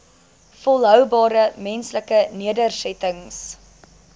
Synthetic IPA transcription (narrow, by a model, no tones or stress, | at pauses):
fɔlˠɦœwbɑːɾəmɛnsləkəniədərsɛtəŋs